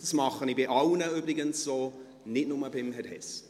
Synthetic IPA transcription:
d̥smɑχənibɪʔɑwnəybɾɪɡənssoː | nɪtnʊməbɪmhɛthɛs

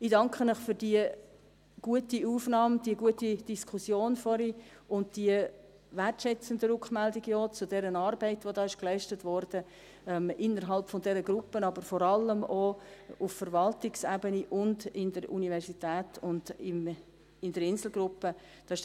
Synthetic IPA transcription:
ɪd̥ɑŋkχənəχfyɾdiə | ɡ̥uətiuːfnɑːmd̥iəɡuətid̥iskʰʊsjoːnfɔɾiʊnt̚d̥iə | værtʃɛt͡səndəɾʊkmældiɡəjoːt͡sʊdɛɾənɑːɾbɛɪtʋodɑːɪʃklɛɪʃtətʋɔɾd̥ə | ɛmɪnːəɾɦɑlpfɔndɛɾəɡɾʊpːənɑbəɾfɔɾɑlːəmouffəɾʋɑltɪksæbəniʔʊndɪndəɾʔṵnivɛɾsitæːtʰʊndɪm | ɪndəɾɪnsl̩ɡɾʊpːəd̥ɑːɪʃ

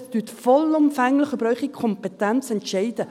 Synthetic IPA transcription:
d̥yːtfɔlʊmfɛŋlɪχəbɾœʏχikkʰɔmpɛtɛnt͡sɛntʃɛɪd̥ə

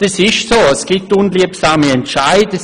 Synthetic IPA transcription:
d̥ɐsɪʃsoːəsɡ̥ɪtːunliəpsaːmiɛntʃaɪdə

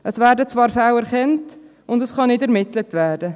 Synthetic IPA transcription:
ʔəsvæːɾdət͡svɑːɾfawɛɾχɛnt | ʊndəsχɑnɪdɛɾmɪtlətvɛːɾdə

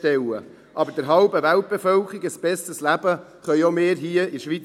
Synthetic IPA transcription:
tɛlə̰ | ʔɑbəɾd̥əɾɦɑlbəvælt̚b̥efœlkiɡəsb̥ɛstəslæb̥əχœʏomeːɾɦiəiʃʋit͡s

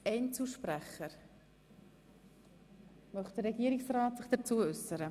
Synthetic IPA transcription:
ɛɪnt͡suʃpɾæχəɾ | mœχt̚d̥əɾɛɡiːəɾɪksraːtsɪχd̥ət͡suːəʏsəɾə

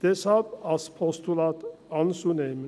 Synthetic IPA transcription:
d̪̥ɛsɑpɑspʰɔst̪ulɑt̪ɑnsunem

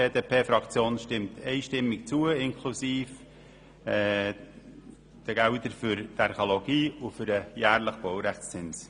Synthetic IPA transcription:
eːdeːpʰeːfɾɑkt͡sjoːnʃtɪmtʰɛɪʃtɪmːɪkt͡suəɪnkʰlusiːf | ɛ | d̥əɡ̥æʊtəɾfʏɾtɛɾχoloɡ̥iːufʏɾəjæːɾləχb̥owɾæχt͡st͡sɪns

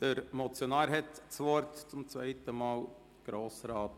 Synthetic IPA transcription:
d̥əɾmɔt͡sjɔnɑːɾɦɛt̪t͡sʋɔɾtt͡sʊmt͡svɛɪtəmɑːl | ɡ̥ɾoːsɾɑːt

